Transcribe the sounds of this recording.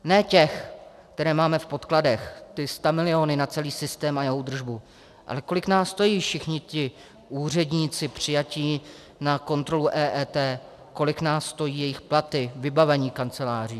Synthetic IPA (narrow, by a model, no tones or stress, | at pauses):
nɛːcɛxk̚t̪ɛɾɛːmaːmɛfpo̞t̪kladɛxt̪ɪst̪amɪlɪo̞nɪnat͡sɛliːsɪst̪ɛːmajɛɦowd̪r̩ʒbu | ʔa̰lɛko̞lɪknaːsːt̪ojiːfʃɪxɲɪcɪ | ʔuːr̝ɛdɲiːt͡sɪpr̝̥ɪjaciː | nako̞nt̪ɾo̞luʔɛːʔɛːt̪ɛː | ko̞lɪknaːsːt̪o̞jiːjɛjɪxplat̪ɪvɪbavɛɲiːkant͡sɛlaːr̝iː